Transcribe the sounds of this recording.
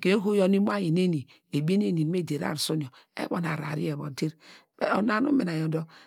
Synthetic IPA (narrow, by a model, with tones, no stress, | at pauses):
ke˨˦ɦo˦jo˦ni˦m˦a˦ji˨ne˦ni˨ | e˨bi˦e˦n˦e˦ni˨˦me˦˨de˨ɾa̰˦˨ɾso˦n˨o˨ | ḛ˦βo˨na̰˨ɾa̰˨ɾḭ˦e˨βo̰˨de˦ɾb̥e˦o˨na˦nu˦me˨na˨jo˨˦do˦